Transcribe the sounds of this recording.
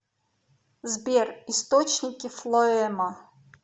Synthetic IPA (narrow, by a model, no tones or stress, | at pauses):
zbʲɛrist̪ɔt͡ɕnʲikʲiflˠɔɛma